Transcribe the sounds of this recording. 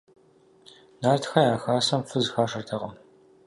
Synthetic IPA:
naːrtʰxɐjaːxaːsɐmfɨzxaːʂɐrtʰɐʁɐ

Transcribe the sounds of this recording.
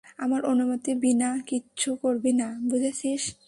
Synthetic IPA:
amaɾonumot̪ibinakiːɕʰukoɾbinabud͡ʑʱaʃiʃ

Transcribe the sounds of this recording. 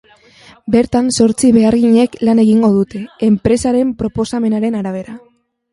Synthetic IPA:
be̞ɾt̪anso̞ɾt͡siβe̞aɾɣiɲe̞klane̞ɣiŋɡo̞ðut̪e̞ːmpɾe̞saɾe̞mpɾo̞po̞same̞naɾe̞naɾaβ̞e̞ɾa

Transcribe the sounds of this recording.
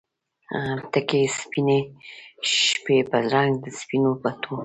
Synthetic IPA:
t̪akespine | ʃpepazɾaŋɡd̪əspinopat̪ʰo

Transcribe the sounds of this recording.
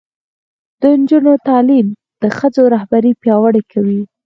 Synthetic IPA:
d̪̥ənd͡ʒunot̪ɑlim | d̪̥əxəd͡zoɾahbaɾipjɑwaɽekʰawi

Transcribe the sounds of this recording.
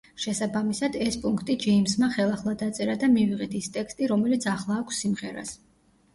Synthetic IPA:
ʃɛsabamisad̪ɛspʼuŋkʰt̪ʼid͡ʒɛimsmaχɛlˠaχlˠad̪at̪sʼɛɾad̪amiviʁɛt̪ʰist̪ʼɛkst̪ʼiɾɔmɛlit̪sʰaχlˠaːkʷʰsːimʁɛɾa̰s

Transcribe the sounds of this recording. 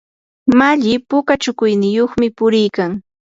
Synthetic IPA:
maʎɪpʊkat͡ʃʊkʊjnɪjoχmɪpʊɾɪjkaŋ

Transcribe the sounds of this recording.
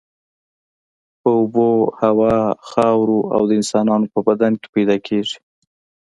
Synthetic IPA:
pəʊbohawɑxɑwɾoa̰wd̪əɪnsɑnɑnopəbad̪anke̥pajd̪ɑkʰeʐi̥

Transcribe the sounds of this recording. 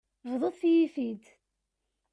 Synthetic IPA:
vðˤoðˤθjifid̪

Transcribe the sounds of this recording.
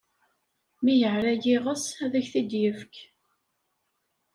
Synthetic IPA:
mijəʕɾæʝiʁəsæðæçθid̪jəfk

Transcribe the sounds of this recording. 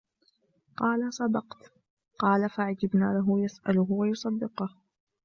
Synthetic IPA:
qɑːlasˤɑd̪ɑqt̪ | qɑːlafaʕad͡ʒɪbnaːlaɦʊjasʔalʊɦʊwajʊsˤɑd̪ːɪqʊh

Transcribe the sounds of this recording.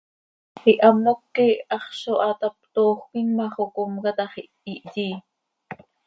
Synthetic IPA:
χiʔɑmːokːiʔɑχʃoʔɑt̪ɑp̚t̪oːχʷkinmɑχokomkɑt̪ɑχiʔiʔjiː

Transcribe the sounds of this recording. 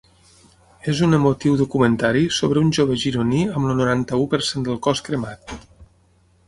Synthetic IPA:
ezunəmot̪iwðukumənt̪aɾisoβɾəunʲʒoβəʒiɾuniəmlənuɾant̪əupəɾsend̪əlˠkɔskɾəmat̪̚

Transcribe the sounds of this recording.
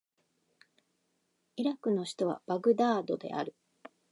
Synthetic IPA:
iɾakɯ̟no̞ɕi̥t̪o̞βa̰b̥aɡɯ̟d̪aːd̪o̞d̪e̞̰ʔa̰ɾɯ̟

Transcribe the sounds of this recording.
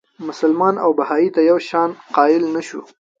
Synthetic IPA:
mʊsʊlmɑna̰wbahɑit̪ajawʃɑnqɑɪlnaʃṵ

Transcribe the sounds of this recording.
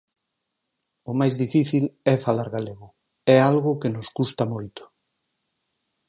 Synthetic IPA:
ʊmajzðifiθilɛfalaɾɣaleɣʊ | ɛalɣʊkɪnʊskust̪amojt̪ʊ̥

